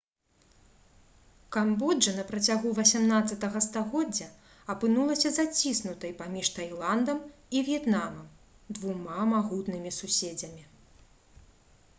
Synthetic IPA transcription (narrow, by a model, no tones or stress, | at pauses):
kambɔd͡ʐɐnɐpɾɐt͡sʲaɣuvɐsʲamnat̪sɐt̪ɐɣɐst̪aɣɔd͡zʲːɐ | ɐpɨnulˠɐsʲɐzat͡sʲisnut̪ɐjpamʲiʂt̪ajlˠand̪ɐmivʲjɛt̪namɐm | d̪vumamaɣut̪nɨmʲisusʲed͡zʲɐmʲi